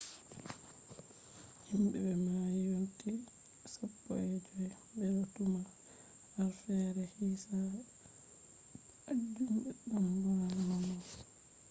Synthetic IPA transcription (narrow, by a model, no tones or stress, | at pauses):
himbɛ̰bɛmajonti | sapːɔ̰ɛd͡ʒɔ | bɛɾotuma | haɾfɛɾɛhiːsa | ad͡ʒumbɛɗumbanamɔ